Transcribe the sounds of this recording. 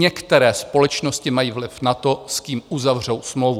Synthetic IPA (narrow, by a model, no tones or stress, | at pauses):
ɛkt̪ɛɾɛːspo̞lɛt͡ʃnoscɪmajiːvlɪfnat̪o̞skiːmʔuzavr̝owsmlowvu